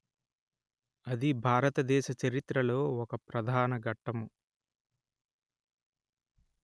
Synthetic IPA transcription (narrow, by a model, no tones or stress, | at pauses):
ɐd̪ibʱaːɾɐt̪ɐd̪ɛːʃɐt͡ʃɐɾit̪ɾɐlo̞ːɔkɐpɾɐd̪ʱaːnɐɡɐʈːɐmu